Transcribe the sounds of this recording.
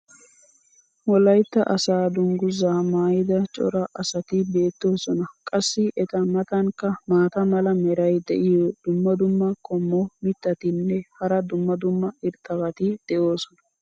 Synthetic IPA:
wɔlɐjt̪ːɐʔɐsaːd̪ʊŋɡʊzaːmaːjɪd̪ɐt͡ʃʼɔ̰ɾɐʔɐsɐt̪ɪbe̞ːt̪ːoːsɔnɐkʼɐsːɪʔɛt̪ɐmɐt̪ɐŋkːɐmaːt̪ɐmɐlɐmɛɾɐjd̪ɛ̰ʔɪjod̪̥ʊmːɐd̪ʊmːɐkʰɔmːɔmɪt̪ːɐt̪ɪnːɛhɐɾɐd̪ʊmːɐd̪ʊmːɐɪɾt̪ʼːɐbɐt̪ɪd̪̥ɛʔo̞ːsɔnɐ̥

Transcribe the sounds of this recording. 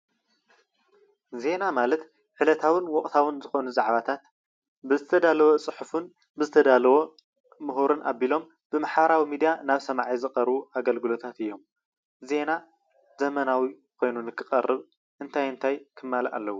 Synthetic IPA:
ze̞namalɐt̪ | ħɨlɐt̪ʰawɨnwɔkʼt̪ʰawɨnzɨxo̞nuzaʕβat̪ʰat̪ | bɨzɨt̪ʰɐd̪alɐwot͡sʼɨħufun | bɨzɨt̪ʰɐd̪alɐwo̞ | mɨɦuɾɨnʔa̰bilo̞m | b̥ɨmaħβɐɾawimid̪ijanaβsɐmaʕizɨkʼɐɾbuaɡɐlɡɨlo̞t̪ʰat̪ɨjːo̞m | ze̞na | zɐmɐnawi | kʰo̞jnunɨkʰːɨχʼɐrːɨβ | ʔɨnt̪ʰajɨnt̪ʰajkʰɨmːalʔa̰lːɐwːu

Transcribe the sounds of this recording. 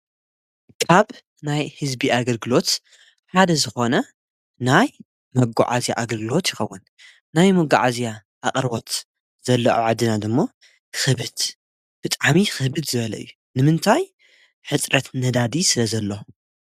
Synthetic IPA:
kʰʼaβ | najhɨzbiaɡɐlɡɨlo̞t̪ | ħad̪ɐzɨxo̞nɐ | naj | mɐɡa̰ʕa̰zjaʔaɡɐlɡɨlo̞t̪jɪxɐwːʊn | najmɐɡːaʕazja | ʔakʼɾbo̞t̪ | z̥ɐlːɐʔoʕad̪ɨnad̪ɨmːo | xɨβɨd̪̥ | b̥ɨt̪ʼaʕmixɨbɨd̪zɨβɐlɐ̰ɨ̰jːu | nɨmɨnt̪ʰaj | ħɨt͡sʼɾɐt̪nɐd̪ad̪isɨlɐzɐlːo

